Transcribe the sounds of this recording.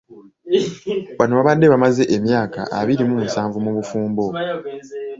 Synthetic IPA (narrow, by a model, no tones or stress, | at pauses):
βanoβaβadːe̞βamaze̞ʔemjaːka̰ʔaβiɾimumusaːɱvumuβufuːmbo̞